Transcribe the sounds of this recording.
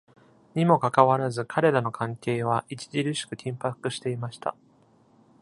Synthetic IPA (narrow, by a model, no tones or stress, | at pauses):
ɲ̟imo̞kakaβaɾazɨkʰaɾe̞ɾano̞kʰãŋke̞ːβ̞aʔit͡ɕi̥ʑiɾɯ̟ɕi̥kɯ̟kʲʰĩmpakɯ̟ɕi̥t̪e̞imaɕi̥t̪a̰